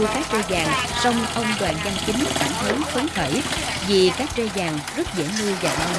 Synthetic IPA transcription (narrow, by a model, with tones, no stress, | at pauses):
kaː˦˥k̚t͡ɕe˧jzaː˨˩ŋsə˧wŋ͡mʔə˧wŋ͡mɗwa̰ː˨˩nza˧ŋt͡ɕï˨˦ŋta̰ː˧˩nt̪ə˨˦ŋxə˨˦nt̪ʰə˧˩jvi˨˩kaː˦˥k̚t͡ɕe˧zaː˨˩ŋzə˦˥t̚zḛ˧˩mɨ˧əza˨˩ʔə˧